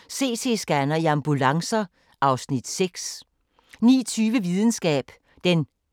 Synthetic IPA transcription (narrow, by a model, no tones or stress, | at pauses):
se̝̰ːsʰe̝sɡ̥ænɐiɑ̈mb̥ulɑ̈ŋsɐ | ʔɑ̈ʊsnid̥seɡ̥s | nḭːt͡sʰyːʋəʋið̞ˠn̩sɡ̥ɛ̰ːb̥ | d̥en